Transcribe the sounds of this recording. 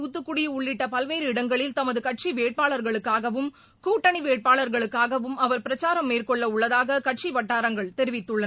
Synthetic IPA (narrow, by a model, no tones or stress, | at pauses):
uːt̪ːɯkːʊɽɪjʊɭːɪʈːɐpɐlʋeːɾɯɪɽɐŋɡɐɭɪlt̪ɐmɐðɯkɐʈ̚ʂiʋeːʈ̚paːɭɐɾɣɐɭɯkːaːɣɐʋɯm | kuːʈːɐniʋeːʈ̚paːɭɐɾɣɐɭɯkːaːɣɐʋɯmɐʋɐɾpɪɾɐt͡ʃaːɾɐmːeːrkɔɭːɐʊɭːɐðaːɣɐkɐʈʂiʋɐʈːaːɾɐŋɡɐɭt̪ɛɾɪʋɪt̪ːɯɭːɐ